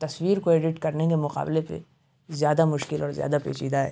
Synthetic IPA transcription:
t̪ɐswiːɾkoeːɖɪʈkɐɾnekemʊqa̰ːblepḛ | zjaːd̪amʊʃkɪlɔːɾzja̰ːd̪apḛːt͡ʃiːd̪aɦɛ̰ː

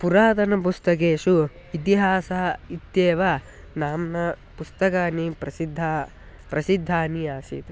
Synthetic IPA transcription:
puɾaːd̪ɐnɐp̬ust̪ɐkeːʂu | it̪̬iɦaːsɐɦɐit̪ːjeːʋɐ | naːmnɐ | pust̪ɐkaːnipɾɐsid̪ʱːa | pɾɐsid̪ʱːaːniaːsḭːt̪u

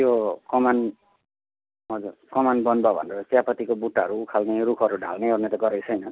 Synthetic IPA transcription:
jokʌman | ʌd͡zurkʌmanbʌnbabʱʌ̰nɾʌsjapʌt̪ikobuʈːaʌɾuːkʰalneɾukʰʌɾuɖʱa̰lneornet̪ʌɡʌɾʌjt͡sʰʌjnʌ

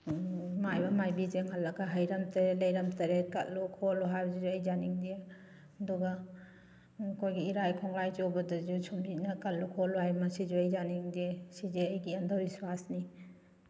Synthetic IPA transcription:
majbɐmajbid͡ʒeŋɦɐlːɐɡɐɦɐjɾɐmtʰɐɾelɐjɾɐmtʰɐɾekɐtlukʰoluɦajbɐzid͡ʒuɐjd͡ʒaniŋdie | ɐduɡa | kʰojɡiiɾajkʰɔŋlajd͡ʒowbɐdɐd͡ʒusʰumdinɐkɐt̚lːukʰoluɦajmɐsid͡ʒuɐjzaniŋdiesid͡ʒeɐjɡiɐndʰʱawbiswasni

